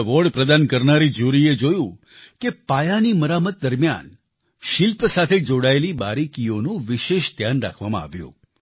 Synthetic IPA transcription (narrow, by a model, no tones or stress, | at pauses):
ʋɔɽpɾəd̪ankəɾnaɾid͡ʒuɾied͡ʒojũ | kepajaniməɾamət̪̚d̪əɾmja̰n | ʃɪlpsat̪ʰed͡ʒoɽaelibaɾikionũʋɪʃeʃd̪ʱjanɾa̰kʰʋamã̰a̰ʋjṵ̃